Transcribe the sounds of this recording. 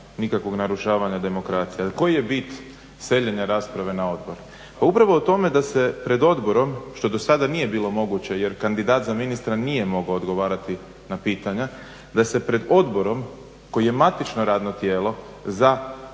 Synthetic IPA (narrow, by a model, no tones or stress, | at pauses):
nikakʋo̞ɡnaɾuʃaːʋaɲad̪e̞mo̞kɾaːt̪sijeko̞jije̞bit̪ | se̞ʎeɲaɾaːspɾaʋe̞nao̞d̪bo̞ɾ | paupɾaʋo̞ːt̪o̞me̞d̪ase̞pɾe̞d̪o̞d̪bo̞ɾo̞mʃt̪o̞d̪o̞sad̪anije̞biːlo̞mo̞ɡut͡ɕejeɾkand̪id̪aːt̪zaminist̪ɾanije̞mo̞ɡoːd̪ɡo̞ʋaːɾat̪i | napiːt̪aɲa | d̪ase̞pɾe̞d̪o̞d̪bo̞ɾo̞m | ko̞jije̞mat̪it͡ʃno̞ɾaːd̪no̞t̪jeːlˠo̞ | za